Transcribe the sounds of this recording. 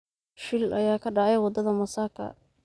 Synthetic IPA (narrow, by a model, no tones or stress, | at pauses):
ʃɪlʔɐjaːkʰɐɖɑʕɛjwɑd̪ɐðɐmɐsaːkʰɐ̰